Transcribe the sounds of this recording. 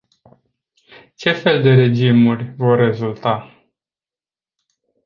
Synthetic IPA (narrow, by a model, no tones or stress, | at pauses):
t͡ʃe̞fe̞ld̪e̞ɾe̞d͡ʒimurʲvo̞rːe̞zult̪a